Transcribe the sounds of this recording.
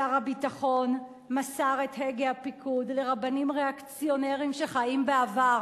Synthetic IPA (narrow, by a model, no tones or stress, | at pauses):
aʁhabitaχo̞n | masaʁe̞tɦeɡehapikʰudle̞ʁabanimʁe̞akt͡sijo̞neʁimʃe̞χajimbeavaʁ